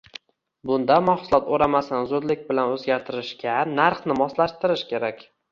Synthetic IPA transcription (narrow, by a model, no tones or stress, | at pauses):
bʊnd̪amaχsʊlˠɒt̪oɾamasɪnɪzʊd̪lɪk̚ʲbɪlanɵzɡʲaɾt̪ʰɪɾɪʃkʲanaɾχnɪmɒslaʃt̪ɪɾɪʃkʲʰe̞ɾakʲ